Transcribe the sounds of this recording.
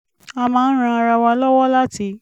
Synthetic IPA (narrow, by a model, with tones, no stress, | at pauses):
a˧mãː˦n̩˦ɾ̃ã˧a˧ɾa˧wa˧lɔ˦wɔ˦la˦ti˨˦